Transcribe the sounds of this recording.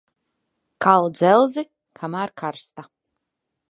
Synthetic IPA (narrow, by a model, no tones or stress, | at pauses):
kalˠd̪zɛlˠzi | kʰamaːɾkʰaɾst̪a